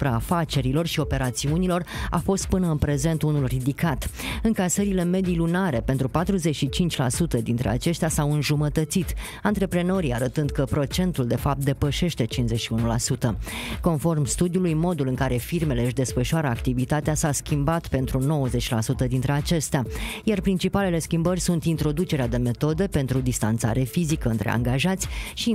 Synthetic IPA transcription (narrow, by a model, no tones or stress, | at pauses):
upɾaːfat͡ʃe̞ɾilo̞rʃio̞pe̞ɾat̪siunilo̞ra̰fo̞st̪̚pɨnəɨnpɾe̞ze̞nt̪unulrid̪ikat̪ɨŋkasəɾile̞me̞d̪ilunaɾe̞pe̞nt̪ɾupat̪ɾuze̞t͡ʃʃit͡ʃint͡ʃʲlasut̪əd̪int̪ɾe̞̰a̰t͡ʃe̞st̪easawɨnʒumət̪ət̪sit̪ | ant̪ɾe̞pɾe̞no̞ɾiaɾət̪ɨnd̪kəpɾo̞t͡ʃe̞nt̪uld̪e̞fap̚t̪̚d̪e̞pəʃe̞ʃt̪e̞t͡ʃinszet͡ʃʃiunula̰sut̪əko̞nfo̞rmst̪ud̪julujmo̞d̪ulɨŋkaɾe̞firme̞le̞ɨʃd̪e̞sfəʃuaɾəakt̪ivit̪at̪easaskʲimbat̪pe̞nt̪ɾuno̞wəze̞t͡ʃʲlasut̪əd̪int̪ɾe̞at͡ʃe̞st̪eajarpɾint͡ʃipale̞le̞skʲimbərʲsunt̪int̪ɾo̞d̪ut͡ʃe̞ɾead̪e̞me̞t̪o̞d̪e̞pe̞nt̪ɾud̪ist̪a̰nt̪sa̰ɾe̞fizikəɨnt̪ɾe̞a̰ŋɡaʒat̪sʲʃi